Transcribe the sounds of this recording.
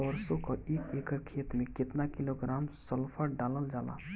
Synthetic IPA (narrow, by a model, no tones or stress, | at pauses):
ɔɾsõkɔeːkekəɾkʰet̪mẽkɪt̪nakiloɡɾaːmsəlpʰəɖaːləld͡ʒaːla̰